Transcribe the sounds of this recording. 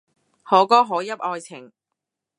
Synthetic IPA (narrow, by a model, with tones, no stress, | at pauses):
hɔː˨˥kɔː˥ɦɔː˨˥jɐ˥p̚ɔː˧jt͡sʰɪ˨˩ŋ